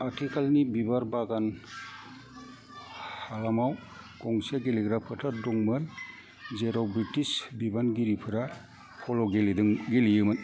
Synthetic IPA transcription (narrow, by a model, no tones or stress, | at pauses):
atʰikʰalnibibaɾbaɡan | halamaw | ɡɔŋseɡeliɡɾapʰatʰadɔŋmɯn | zeɾawbɾitisbibanɡiɾipʰɯɾa | pʰɔlɔɡeldɯŋɡelijɯmɯn